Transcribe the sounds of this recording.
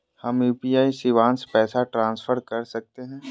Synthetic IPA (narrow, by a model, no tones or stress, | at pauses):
hɐmjuːpiːaːisɪʋãːnspɛːsaʈɾãːnsfʰəɾkɐɾsɐk̚t̪eɦɛ̃ː